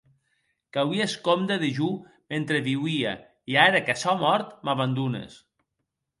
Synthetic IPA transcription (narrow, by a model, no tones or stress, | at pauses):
kawieskomd̪aðeʒu | ment̪ɾeβiwia̰ | iaɾakasɔmɔɾt̪maβand̪unḛs